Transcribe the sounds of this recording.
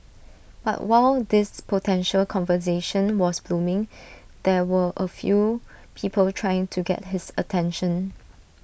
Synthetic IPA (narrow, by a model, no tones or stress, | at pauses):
b̥a̰ʔwaɪld̪ɪspʰotʰɛ̃nʃəlkʰɔ̃nvəs̬eʃə̃nwɔsb̥lũmɪ̃ŋd̪̥ɛwəʔəfjupʰipʰəltʰɹ̥ajɪ̃ŋtʰuɡɛ̰t̚ɦɪsətʰɛ̃nʃə̃n